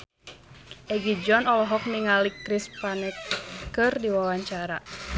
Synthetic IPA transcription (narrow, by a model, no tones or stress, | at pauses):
ʔɛɡid͡ʒɔnɔlɔɦɔk̚niŋalikɾispanɛkɨrdiwawaɲt͡ʃaɾa